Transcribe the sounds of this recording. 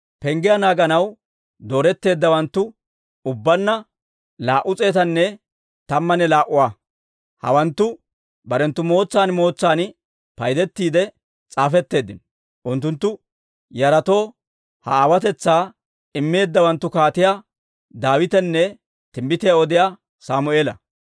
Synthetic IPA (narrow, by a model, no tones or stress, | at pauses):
pɛŋɡɪjanaːɡɐnɐw | d̪o̞ːɾɛt̪ːe̞ːd̪ːɐwɐnt̪ːʊ | ʊbːɐnːɐ | laːʔʊt͡sʼe̞ːt̪ɐnːɛ | t̪ɐmːɐnɛlaːʔʊwaː | hɐ̰wɐnt̪ːʊ | bɐɾɛnt̪ːʊmo̞ːt͡sːaːnmo̞ːt͡sːaːn | pɐjd̪ɛt̪ːiːd̪ɛ | t͡sʼaːfɛt̪ːe̞ːd̪ːɪn | ʔʊnt̪ːʊnt̪ːʊ | jɐɾɐt̪o̞ː | hɐ̰aːwɐt̪ɛt͡sːaː | ɪmːe̞ːd̪ːɐwɐnt̪ːʊkaːt̪ɪjaː | d̪aːwɪt̪ɛnːɛ | t̪ɪmbɪt̪ɪjaɔd̪ɪjaː | saːmʊe̞ːlɐ